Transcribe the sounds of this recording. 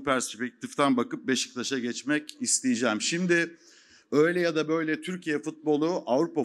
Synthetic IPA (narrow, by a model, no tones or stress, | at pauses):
pʰæɾspɛc̚t̪ʰift̪ʰænbakɯp̚beʃɯ̥kt̪ʰˠaʃaɟɛt͡ʃmɛcist̪ʰijid͡ʒɛːmʃimd̪ɪ | ø̞jlʲɛjad̪abø̞jlʲɛt̪ʰyɾcʰijɛfut̪̚bo̞lˠuʔavɾupa